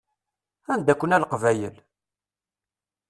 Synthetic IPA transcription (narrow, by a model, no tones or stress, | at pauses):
ænd̪ækʷːənælqvæjə̰l